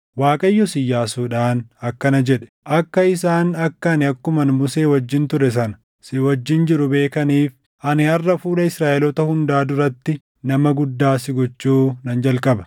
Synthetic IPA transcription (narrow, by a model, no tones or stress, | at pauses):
waːkʼɐjːɔsɪjːaːsuːᶑaːnɐkːɐnɐd͡ʒɛᶑɛ̥ʔɐkːɐɪs̬aːnɐkːɐnɪɐkːʊmɐnmʊseːwɐd͡ʒːɪnt̪ʊɾɛs̬ɐnɐ̥ | sɪwɐd͡ʒːɪnd͡ʒɪɾʊbe̞ːkɐniːf | ʔɐnɪɐrːɐfuːlɐɪsɾaːʔɛlɔt̪ɐhʊnd̪aːd̪ʊrɐt̪ːɪ | nɐmɐɡʊd̪ːaːsɪɡɔt͡ʃːuːnɐnd͡ʒɐlkʼɐbɐ̥